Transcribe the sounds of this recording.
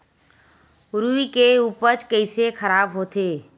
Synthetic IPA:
ʊɾuikeuːpət͡ʃkəɪsexəɾaːbɦoːt̪eː

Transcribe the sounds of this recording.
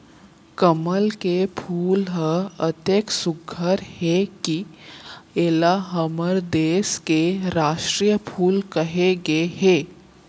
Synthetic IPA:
kəməlkepʰuːlɦəət̪eːksʊɡʱəɾheki | eːlaɦəməɾd̪eːskeɾaːʃʈɾiːjəpʰuːlkɐɦeɡeɦeː

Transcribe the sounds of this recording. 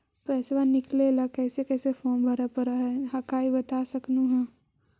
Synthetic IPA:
pɛːsʋanɪklelakɛːsekɛːsefoːmbʱɐɾapəɾaɦɛɦakaːibɐt̪aːsɐknuɦɛ̃

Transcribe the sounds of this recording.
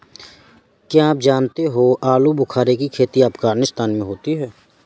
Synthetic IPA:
kjaaːpd͡ʒaːnt̪eɦoʔaːlubʊkʰaːɾekikʰeːt̪iaːpkaːɾnɪst̪ʰaːnmẽɦoːt̪iɦɛː

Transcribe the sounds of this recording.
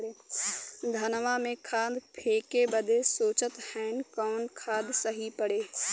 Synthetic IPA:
eː | d̪ʱɐnʋamẽkʰaːd̪pʰeːkebəd̪ʱesoːt͡ʃət̪hɛ̃ːnkɔːnkʰaːd̪səɦipəɽeː

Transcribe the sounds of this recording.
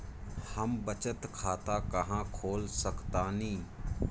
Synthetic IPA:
həmbət͡ʃət̪kʰaːt̪aːkəɦãːkʰoːlsəkt̪aːnĩː

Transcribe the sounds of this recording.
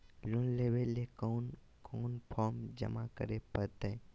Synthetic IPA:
loːnleːʋelekɔːn | kʰɔːnpʰɔːɾmd͡ʒə̰makə̰ɾepəɾt̪e

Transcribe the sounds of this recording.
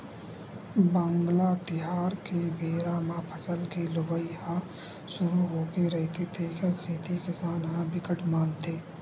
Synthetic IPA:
bãːŋɡlat̪ɪɦaːɾkebeːɾaːmãːpʰəsəlkelʊʋəihã | ʃʊɾuɦoːkeɾɛɦt̪et̪ʰeːkʰəɾset̪ʰikɪsaːnɦãbɪkəʈʰmãːnd̪eː

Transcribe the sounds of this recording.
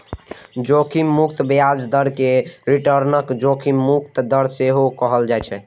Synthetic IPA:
d͡ʒokʰimːuk̚t̪bjad͡ʒd̪əɾkeɾiʈəɾnəkd͡ʒokʰimːuk̚t̪d̪əɾseɦokəɦəld͡ʒaɛt͡ʃʰɛ

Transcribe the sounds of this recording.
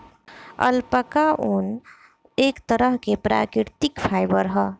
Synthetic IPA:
ə̰lpəkaʔon | ekt̪əɾəɦkepɾa̰kɾiɾt̪ikpʰajbəɾɦʌ

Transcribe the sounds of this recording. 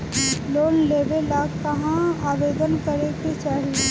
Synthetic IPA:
loːnleːʋelaːɡkɐɦãaːʋeːd̪ənkəɾeket͡ʃaːɦie

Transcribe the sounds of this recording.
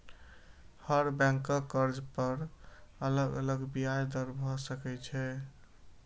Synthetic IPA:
həɾbɛ̃ŋkəkːəɾd͡ʒpəɾələɡə̰ləɡbijajd̪əɾbʱɔsəkɛt͡ʃʰɛ

